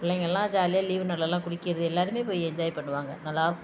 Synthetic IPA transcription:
ʊɭlːɛŋɡɐɛlːãːd͡ʒaːlɪjaːliːʋnɐɽɭːɛlːãːkʊɽɪkːɪɾɐðɯɛlːaːɾɯmeːpoːjɛɲd͡ʒaːjipɐɳːɯʋaːŋɡɐnɐlːaːɾɯk

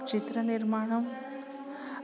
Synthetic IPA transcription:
t͡ʃit̪ɾɐnɪɾmaːɳɐm

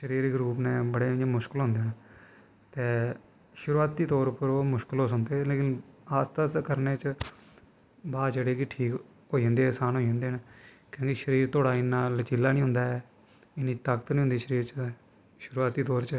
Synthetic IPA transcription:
ʃəɾiːɾɡɾuːpnẽːbəɽẽːd͡ʒemʊʃkɪlɦʊ̃nd̪eːnː | t̪eː | ʃʊɾuːaːt̪iːt̪ɔːɾpəɾoːmʊʃkɪloːsʊnd̪eːleːkɪnaːst̪əskəɾneːt͡ʃ | baːd͡ʒəɽeːkɪʈʰiːk | ɦoːiə̃nd̪eːsaːnɦoːiə̃nd̪eːn | kjõːkiʃəɾiːɾt̪ʰoːɽaːɪnːãːlət͡ʃilːaːnĩːɦʊ̃nd̪aːɛː | ɪnĩːt̪əkət̪nĩːɦnd̪iːʃəɾiːɾt͡ʃ | ʃʊɾuaːt̪iːt̪ɔːɾt͡ʃ

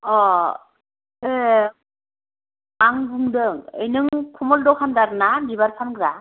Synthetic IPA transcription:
ɔ | e | aŋbuŋdɯŋɯ̰jnɯŋkʰumɔldɔkʰandaɾɯnabibaɾpʰankɯɾa

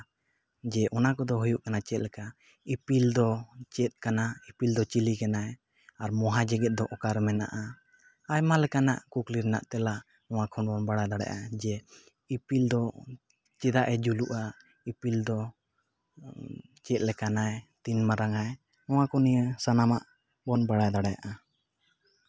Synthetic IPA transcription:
d͡ʒɛʔɔnakɔd̪ɔɦujuʔkanat͡ʃɛt̪̚lɛka | ipild̪ɔt͡ʃɛt̪̚ˀkanaipild̪ɔt͡ʃilikana | aɾmɔɦad͡ʒɛɡɛt̪̚d̪ɔʔɔkaɾmɛna̰ʔa | ajmalɛkana̰ʔkukliɾɛna̰ʔt̪ɛla | ɔ̃w̃akʰɔnɔnbaɽadaɽɛ̰ʔad͡ʒɛ | ipild̪ɔ | t͡ʃɛd̪aʔɛd͡ʒuluʔa | ipild̪ɔ | t͡ʃɛt̪̚ˀlɛkanajt̪inmaɾaŋaj | ɔ̃wakɔnijəsanamaʔ | bɔnbaɽajd̪aɽaja̰ʔa

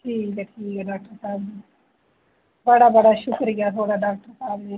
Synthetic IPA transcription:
ʈʰiːkkɛʈʰiːkɖaːk̚ʈəɾsaːbd͡ʑiː | bɐɽabɐɽaʃʊkɾijat̪ʰoːɽaɖaːk̚ʈəɾsaːbd͡ʑi

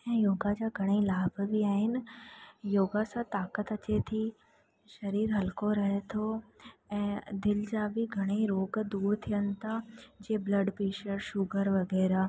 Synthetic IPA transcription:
ɛ̃ːjoːɡad͡ʑaːɡʱɐɽ̃eilaːbbʱiaːɦɪnɪ̆joːɡasãt̪aːkət̪ɐt͡ɕet̪ʰi | ʃɐɾiːɾɦɐlkoɾɐɦet̪ʰoɛ̃ːd̪ɪld͡ʑaːbʱɪɡʱɐɽ̃eiɾoːɡd̪uːɾt̪ʰijənɪ̆t̪ʰad͡ʑeːblɐɖpeːʃəɾʃʊɡəɾʋɐɡɛːɾaː

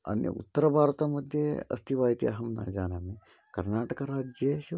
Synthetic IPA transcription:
ɐ̰nḭṵt̪ːəɾɐbʱaːɾt̪amɐd̪ʱjeɐ̰st̪ʰiʋaːjt̪iɐ̰ɦɐmna̰ːd͡ʒaːnaːmi | kɐɾnaːʈɐkaɾaːd͡ʑjeɕi

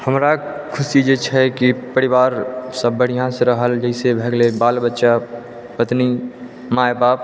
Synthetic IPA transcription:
həmɾa | kʰʊsid͡ʒet͡ʃʰɛkipəɽɪʋaːɾsəbːəɽ̤ijãseɾəɦəld͡ʒəɪsebʱɛɡlebaːlbətːʃa | pət̪ni | maepaːp̚

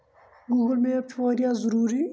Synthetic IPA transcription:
ɡuːɡəlmẽɐbt͡ʃʰoːɾijazəɾuːɾi

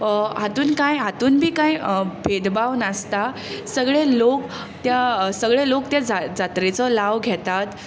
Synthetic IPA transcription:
ɦat̪uːnkãjɦat̪uːnbʱiːkãjbʱed̪bawnəst̪a | səɡɭelok | t̪jasəɡɭelokt̪jad͡zad͡zat̪ɾet͡sɔlaʋɡʱɛt̪at̪

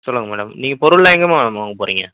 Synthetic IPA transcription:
sɔlːɯŋɡɐmɛːɽɐ̰mniːŋɡɐpɔɾʊɭːɐɛŋɡɐmamaːŋɡɐpoːɾiːŋɡɐ

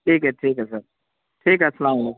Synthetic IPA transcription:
ʈʰiːkɦɛʈʰiːkɦɛsəɾ | ʈʰiːkɦɛsɐlaːmlo

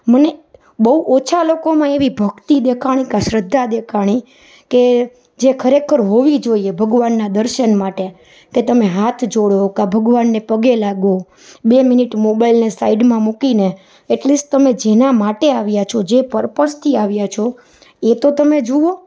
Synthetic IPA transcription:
məne | bəuʔot͡ʃʰalokomãeʋibʱəkt̪id̪ekʰaɽ̃ikãʃɾəd̪ʱːad̪ekʰaɽ̃i | ke | d͡ʒekʰəɾekʰəɾɦoʋid͡ʒoiebʱəɡʋanːad̪əɾʃənmaʈe | ket̪əmeɦat̪ʰd͡ʒoɽokabʱəɡʋanːepəɡelaɡo | bemɪniʈmobailnesaiɖmãmukine | eʈlisʈ̚t̪əmed͡ʒenamaʈeaʋjat͡ʃʰod͡ʒepəɾpəst̪ʰiaʋjat͡ʃʰo | et̪ot̪əmed͡ʒuo

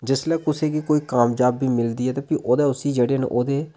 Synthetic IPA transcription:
d͡ʒɪslɛːkʊseːkikoːiːkaːmd͡ʒaːbːiːmɪld̪iːɦɛːt̪aːpiːʔoːd̪ɛːʊsiːd͡ʒeːɽeːnḛːʔoːd̪eː

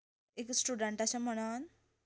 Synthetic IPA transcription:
eksʈuɖəɳʈaɕam̤əɽ̃an

